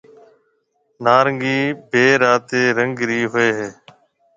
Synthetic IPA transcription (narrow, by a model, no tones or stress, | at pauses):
naːɾəŋɡiːbʱeːɾaːt̪eːɾəŋɡɾiːɦʊeːɦeː